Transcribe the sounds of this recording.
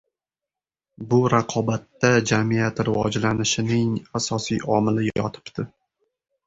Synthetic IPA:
bʊɾaqʰɒbat̪ːad͡ʒamijat̪ɾɪvɒ̰d͡ʒlanɪʃɪnɪŋasɒsijʔɒmɪlɪjjɒ̰t̪ʰɪ̥pt̪ɪ

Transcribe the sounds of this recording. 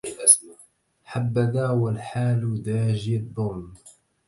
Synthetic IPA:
ħabːad̪aːwalħaːld̪aːʒɪd̪ˤːʊːm

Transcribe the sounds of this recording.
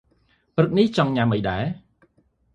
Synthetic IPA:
prɨk̚niht͡ɕɑŋɲaməjɗaɛ

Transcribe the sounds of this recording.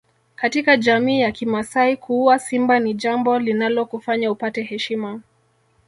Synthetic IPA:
katikaʄamiːjakimasaikʰuuasimbaniʄambɔlinalɔkufaɲaupatɛɦɛʃima

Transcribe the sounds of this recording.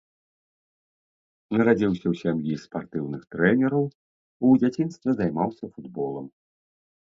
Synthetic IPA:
nɐɾad͡zʲiwsʲɐwsʲamjispart̪ɨwnɨxt̪ɾɛnʲɛɾɐw | ud͡zʲat͡sʲinst̪vʲɐzajmawsʲɐfud̪bɔlˠɐm

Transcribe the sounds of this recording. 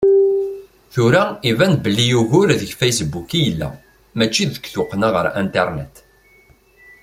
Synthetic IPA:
θuɾæivæn̚bəlːijuʝʊɾðəʝfejsbukijəlːæ̰ | mæt͡ʃːiðəkːθʊqːnaʁə̰ɾæ̰nt̪eɾˤnḛt̪

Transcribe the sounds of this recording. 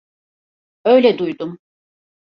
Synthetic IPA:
ø̞jlʲɛd̪ujd̪um

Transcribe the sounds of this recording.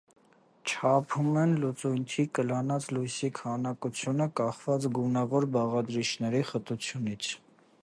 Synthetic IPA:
t͡ʃʰɑpʰumɛnlut͡sujnt̪ʰikəlɑnɑt͡slujsikʰhɑnɑkut͡sʰjunəkɑχvɑt͡sɡunɑvɔɾbɑʁɑd̪ɾit͡ʃʰnɛɾiχət̪ut͡sʰjunit͡sʰ

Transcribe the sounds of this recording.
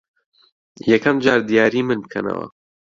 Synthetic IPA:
jɛkʰɐmd͡ʒaːɾd̪ijaːɾiːmɨnbɨkʰɐnɐ̰wɐ̰

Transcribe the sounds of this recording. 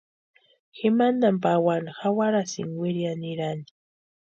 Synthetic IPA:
xɪmand̪ampawanhawaɾasɪ̰ŋwɪɾjanɪɾanɪ̥

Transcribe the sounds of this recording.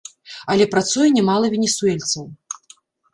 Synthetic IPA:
ɐlʲɛpɾat̪sujɛnʲɛmalˠɐvʲenʲɛsuɛlʲt̪sɐw

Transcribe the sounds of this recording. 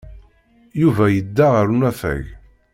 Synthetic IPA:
juvæjəd̪ːaʁəɾunæfæ̰ʝ

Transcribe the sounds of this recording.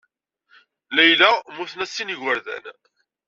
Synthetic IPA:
læjlæmʊθnæsːinʝwəɾðæ̰n

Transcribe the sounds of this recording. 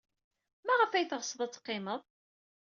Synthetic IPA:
mæʁəfæjθʁsˤəðˤæt͡sːqːɪməðˤ

